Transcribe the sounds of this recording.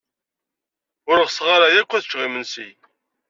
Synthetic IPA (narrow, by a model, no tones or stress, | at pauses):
ʊɾəʁsʁaɾajækʷːæθət͡ʃʁimənsḭj